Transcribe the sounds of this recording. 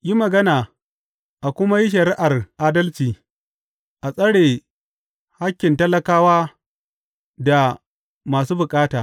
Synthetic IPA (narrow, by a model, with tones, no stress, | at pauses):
ji˦mɐ˨ɡɐ˦naː˨ | ʔa˨kʷʊ˦ma˦ji˦ʃ̬ɐ˨ɾɪ˦ʔa˨rʔaː˦dɐ˦lt͡ʃiː˨ | ʔa˨sʼɐ˦ɽeː˨ | ha˦kʲːɪ˨ntɐ˦lɐ˨kaː˦waː˦ | da˨ | maː˨s̬uː˦bʊ˨kʼaː˦taː˨